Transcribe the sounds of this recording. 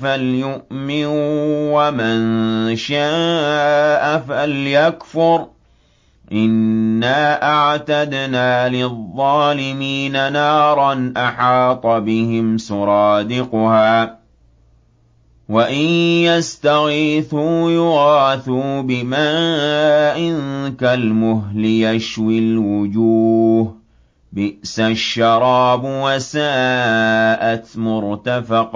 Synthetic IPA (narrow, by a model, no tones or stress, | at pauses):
faljʊʔmɪnuwamɪnʃaː | ʔafaljakfʊɾ | ʔɪnːaːʔaʕt̪ad̪naːlɪðˤːɑːlɪmiːnanɑːɾˤɑnʔaħɑːt̪ˤɑbɪhɪmsʊɾˤɑːd̪ɪqʊhaː | waʔɪnjast̪aɣiθuːjʊɣɑːθuːbɪma | ʔɪnkalmʊɦlɪjaʃwilwʊd͡ʒuːɦ | bɪʔsaʃːɑɾˤɑːbwasaː | ʔat̪mʊɾt̪afɑq